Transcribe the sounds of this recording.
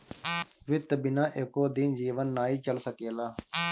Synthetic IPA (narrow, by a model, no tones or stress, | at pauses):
ʋɪt̪bɪnãːʔɪkoːd̪iːnd͡ʒiːʋənːaːiːt͡ʃəlsəkeːlaː